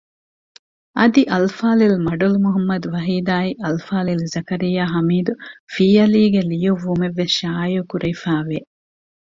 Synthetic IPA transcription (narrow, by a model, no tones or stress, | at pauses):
ɐd̪iʔɐlfaːlilmɐɖulmuɦɐmːɐd̪uʋɐɦiːd̪aːiʔɐlfaːlilzɐkɐɾijaːɦɐmiːd̪ufiːɐliːɡelijuʋːumeʋːesʃaːjukuɾɐjfaːʋe